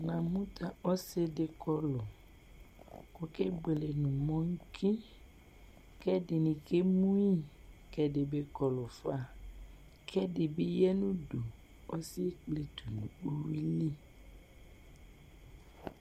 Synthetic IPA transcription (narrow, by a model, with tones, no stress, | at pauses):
nã˨mũ˦t̪a˨ɔ˦se˦de˨kɔ˦lɔ˨ | ko˨ke˦ɡ͡be˨le˨nũ˨mɔ̃˦ŋ̩˦kʰi˦ | kɛ˦de˨nĩ˨ke˦mũ˦i˦kɛ˦de˨be˦kɔ˨lɔ˨fa˦˨ | kʰɛ˦de˨be˦jɛ˦nũ˦do˨ | ɔ˦si˦k͡ple˨t̪u˨nũ˨o˦wi˦li˦